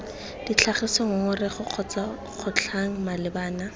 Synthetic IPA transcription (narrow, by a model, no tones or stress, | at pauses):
d̥it͡ɬʰaχɪsɔŋʊŋʊrɪχʊq͡χʰɔt͡sa | χʰʊt͡ɬʰaŋ̩malɪbaːna